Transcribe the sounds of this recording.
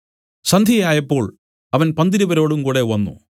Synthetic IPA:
sɐnd̪ʱjijaːjɐpːo̞ːɭ | ɐʋɐnpɐnd̪iɾuʋɐɾo̞ːɽumkuːɽe̞ʋɐnːṵ

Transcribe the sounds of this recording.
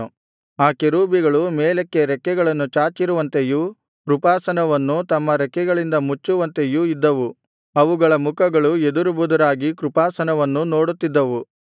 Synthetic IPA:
aːkeɾuːbiɡɐɭumɛːlekːeɾɛkːɛɡɐɭɐnːut͡ʃaːt͡ʃiɾuʋɐnt̪eju | kɾupaːsɐnɐʋɐnːut̪ɐmːɐɾɛkːɛɡɐɭind̪ɐmut͡ʃːuʋɐnt̪ejuid̪ːɐʋu | ɐʋuɡɐɭɐmukɐɡɐɭued̪uɾubud̪ɐɾaːɡikɾupaːsɐnɐʋɐnːuno̞ːɽut̪ːid̪ːɐʋu

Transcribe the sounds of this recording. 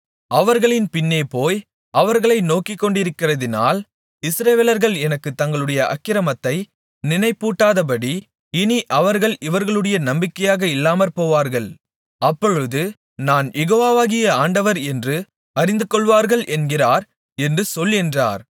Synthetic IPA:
ɐʋɐɾɣɐɭɪnpɪnːeːpoːj | ɐʋɐɾɣɐɭɐɪnoːkɪkːɔɳɖɪɾɯkːɪrɐðɪna̰ːl | ɪsɾɐʋeːlɐɾɣɐɭɛnɐkːɯt̪ːɐŋɡɐɭɯɽɐjɐʔɐ̰kːɪɾɐmɐt̪ːɐɪ | nɪnɐɪpːuːʈːaːðɐp̬ɐɽi | ɪniʔɐʋɐɾɣɐɭɪʋɐɾɣɐɭɯɽɐjɐnɐmbɪkːɐjaːɣɐɪlːaːmɐɾpoːʋaːɾɣɐɭ | ɐpːɔɻɯðɯ | naːnjɛɣoːʋaːʋaːɣɪjɐaːɳɖɐʋɐɾɛndrɯ | ɐɾɪnd̪ɯkːɔɭʋaːɾɣɐɭʔɛnɡɪraːɾ | ɛndrɯsɔlːɪndra̰ːɾ

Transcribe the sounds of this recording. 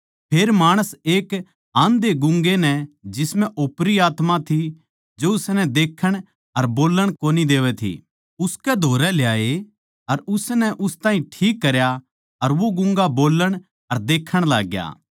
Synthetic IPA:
pʰeːɾmaːɽ̃əseːk | ãːnd̪eɡʊ̃ŋɡenɛd͡ʒɪsmɛ̃ʔoːpɾiaːt̪mat̪ʰi | d͡ʒoʊsnɛd̪eːkʰːəɽ̃ | ɐɾboːlːəɽ̃koːnid̪eːʋɛt̪ʰḭ | ʊskɛd̪ʱoːɾɛljaːe | ɐɾʊsnɛʔʊst̪ãːɦĩʈʰiːkːɐɾja | ɐɾʋoɡʊ̃ŋɡaboːlːəɽ̃ | ɐɾd̪eːkʰːəɽ̃la̰ːɡja̰ː

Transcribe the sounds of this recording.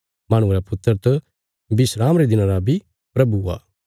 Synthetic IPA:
mɐɽ̃ʊ̃ɾapʊt̪ːəɾt̪ɐ | bɪsɾaːmɾed̪ɪnãɾabʱi | pɾɐbua̰ː

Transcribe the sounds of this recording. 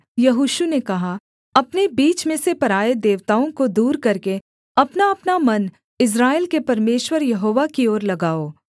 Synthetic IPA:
jɐɦuːʃunekɐɦa | ɐpnebiːt͡ʃmẽsepɐɾaːed̪eːʋt̪aːõkod̪uːɾkɐɾke | ɐpnaɐpnamɐn | ɪs̬ɾaːelkepɐɾmeːʃwəɾjɐɦoːʋakioːɾlɐɡaːoː

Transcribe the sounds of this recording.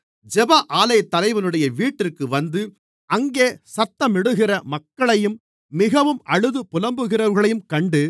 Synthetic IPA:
d͡ʒɛbaʔaːlɐjɐt̪ːɐlɐɪʋɐlɯɽɐjɐʋiːʈːɪrkɯʋɐnd̪ɯ | ʔɐŋɡeːsɐt̪ːɐmɪɽɯɣɪrɐmɐkːɐɭɐjɯmː | ɪɣɐʋɯmɐɻɯðɯpʊlɐmbɯɣɪrɐɾɣɐɭɐjɯmkɐɳɖɯ

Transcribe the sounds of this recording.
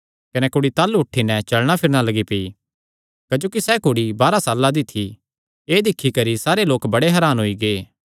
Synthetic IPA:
kɐnɛkʊɽit̪aːlːuʊʈʰːinɛt͡ʃɐlɽ̃apʰɪɾɽ̃alɐɡipei | kɐd͡ʒoːkisɛːkʊɽibaːɾasaːlːad̪ɪt̪ʰːi | eːd̪ɪkʰːikɐɾisaːɾeloːkbɐɽeɦɐɾaːnɦoiɡeː

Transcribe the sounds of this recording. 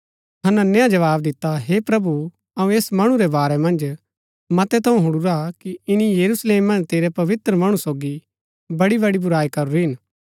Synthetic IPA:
t̪ʰɐnɐnːjãd͡ʒɐʋaːbd̪ɪt̪ːaɦepɾɐbu | ɐũeːsmɐɽ̃ũɾɛbaːɾɛmɐ̃nd͡ʒ | mɐt̪ɛt̪ʰɐũɦʊɽuɾakiɪnijɐɾusleːmːɐ̃nd͡ʒt̪eːɾɛpɐʋɪt̪ɾəmɐɽ̃ũsoːɡi | bɐɽibɐɽibʊɾaːikɐɾuɾiɦɪn

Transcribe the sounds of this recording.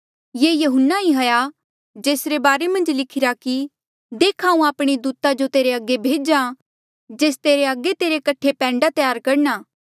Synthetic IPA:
jeːjɐɦʊnːaiɦɐja | d͡ʒeːsɾebaːɾemɐ̃nd͡ʒlɪkʰɪɾaki | d̪eːkʰaːũaːpɽ̃id̪uːt̪ad͡ʒot̪eːɾeɐɡːebʱeːd͡ʒã | d͡ʒeːs̬t̪eːɾeɐɡːet̪eːɾekɐʈʰepɛ̃ːɳɖat̪ɪjaːɾkɐɾnaː

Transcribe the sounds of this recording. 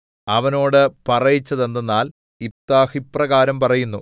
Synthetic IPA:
ɐʋɐno̞ːɽɨpɐrɐjit͡ɕːɐðe̞nd̪enːaːl | ip̚t̪aːhiprɐɣaːɾɐmpɐrɐjunːu

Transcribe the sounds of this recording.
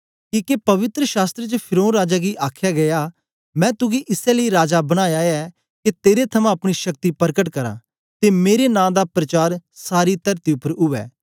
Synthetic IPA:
kiːkepɐʋɪt̪ɾəʃaːst̪ɾet͡ʃepʰɪɾoːɾaːd͡ʒaɡiʔaːkʰjaɡɐja | mɛ̃ːt̪ʊɡiʔɪsɛləiɾaːd͡ʒabɐɽ̃aːjaɛ | ket̪eːɾet̪ʰɐmãɐpɽ̃iʃɐkt̪ipɐɾkəʈ̬kɐɾa̰ː | t̪emeːɾenãːd̪apɾɐt͡ʃaːɾsaːɾit̪ɐɾt̪iʊpːəɾʊʋɛ̰ː

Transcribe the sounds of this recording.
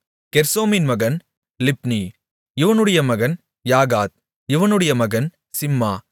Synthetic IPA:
kɛɾsoːmɪnmɐɣɐn | lɪpni | ɪʋɐnɯɽɐjɐmɐɣɐn | jaːɣaːt̪̚ | ɪʋɐnɯɽɐjɐmɐɣɐn | sɪmːaː

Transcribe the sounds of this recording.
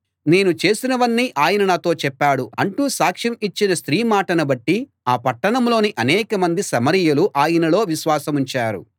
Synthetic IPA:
ne̞ːnut͡ʃe̞ːsinɐʋɐnːiʔaːjɐnɐnaːt̪o̞ːt͡ʃɛpːaːɽuɐɳʈuːsaːkʂɐmit͡ʃːinɐst̪ɾiːmaːʈɐnɐbɐʈːi | aːpɐʈːɐɳɐmlo̞ːniʔɐnɛːkɐmɐnd̪isɐmɐɾijɐluʔaːjɐnɐlo̞ːʋiʃʋaːsɐmuɲt͡ʃaːɾṵ

